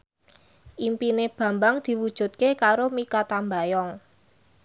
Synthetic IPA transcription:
ʔimpineb̥ä̤mbaŋd̪̥i̤wud̥ʒ̥ṳt̪̚kekaɾomikat̪ambajɔŋ

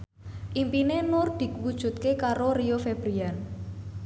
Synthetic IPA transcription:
ʔimpinenʊrd̪̥i̤kwud̥ʒ̥ṳt̪̚kekaɾoriofeb̥ɾian

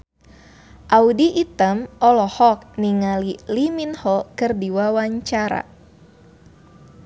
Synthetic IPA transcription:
ʔaudiʔːt̪əmɔlɔhɔk̚niŋaliliminhɔkərdiwawaɲt͡ʃaɾa̰

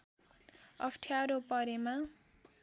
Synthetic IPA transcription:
ʌpʰʈʰjaɾopʌɾema

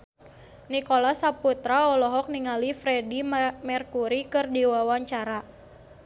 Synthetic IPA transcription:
nikolasaput̪ɾaɔlɔɦɔk̚niŋalifɾɛdimɛrkuɾikɨrdiwawaɲt͡ʃaɾa

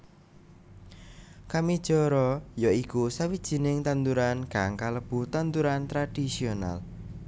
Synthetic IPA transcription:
kamid̥ʒ̥ɔɾɔjɔikusawid̥ʒ̥i̤nɪŋt̪ant̪uɾankaŋkaləb̥ut̪ant̪uɾant̪ɾad̥isiona̰l

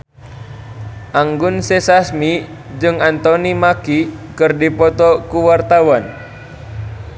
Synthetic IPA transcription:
ʔaŋɡunsɛsasmi | d͡ʒɨŋant̪ɔnimakikɨrdipɔt̪ɔkuwart̪awan

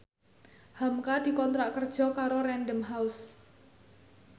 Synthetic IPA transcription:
hamkad̪̥i̤kɔnt̪ɾaʔkərd̥ʒ̥ɔ̤kaɾoɾɛnɖəmɦaʊs

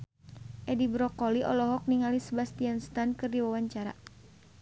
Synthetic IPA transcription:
ʔɛdibɾɔkɔliʔɔ̰lɔɦɔk̚niŋalisəbast̪ianst̪ankɨrdiwawaɲt͡ʃaɾa̰

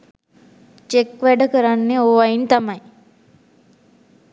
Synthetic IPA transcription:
t͡ʃekʋɛɖəkəɾanːeoʋaint̪amɐj

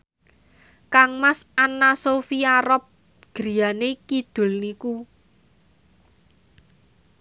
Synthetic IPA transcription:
kaŋmasanːasofiaɾɔp̚ | ɡ̥ɾi̤janekid̪̥ʊ̤lniku

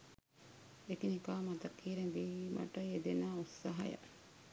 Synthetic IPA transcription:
ekinikaːmɐd̪ɐkːiːɾeŋʋiːmɐ̰ʈɐjed̪enaːusːɐɦɐ̰jɐ̰

